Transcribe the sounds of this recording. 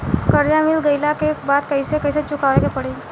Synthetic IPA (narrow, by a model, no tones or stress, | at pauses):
kəɾd͡ʒamɪlɡəilakebaːd̪kɐisekɐɪset͡ʃʊkaːʋeɡepəɽe